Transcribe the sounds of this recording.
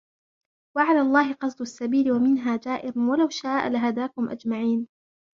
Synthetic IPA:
waʕalaːlˤːɑːɦɪqɑs̬ˤd̪ʊasːabiːlɪwamɪnɦaːd͡ʒaːʔɪɾʊwalawʃaːʔa̰laɦad̪aːkʊmʔa̰d͡ʒmaʕiːn

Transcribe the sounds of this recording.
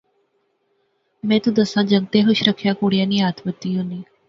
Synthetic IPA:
mẽːt̪ũd̪əsãːd͡ʒəŋɡ̚t̪eɦʊʃɾəkʰjakuːɽijãːniaːt̪ʰmət̪ːijũniː

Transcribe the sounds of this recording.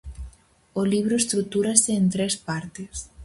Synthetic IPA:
oliβ̞ɾoest̪ɾuk̚t̪uɾaseːnt̪ɾespaɾt̪es

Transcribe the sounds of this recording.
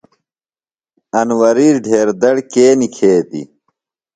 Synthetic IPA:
ɐnwɐɾiːɾɖʱeːɾd̪ɐɽkeːnikʰeːd̪ḭ

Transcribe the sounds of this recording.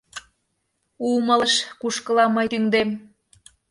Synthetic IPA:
umələʃkuʃkəlɑməjt̪yŋd̪em

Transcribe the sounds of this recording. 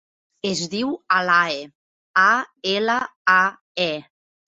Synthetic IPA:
ezðiwalae | aelaa | ɛ

